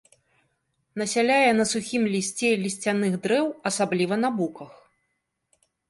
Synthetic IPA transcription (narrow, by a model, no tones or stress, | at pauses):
nɐsʲalʲajɛn̪ɐsuxʲimlʲisʲt͡sʲɛlʲisʲt͡sʲanɨɣd̪ɾɛwɐsablʲivɐnabukɐx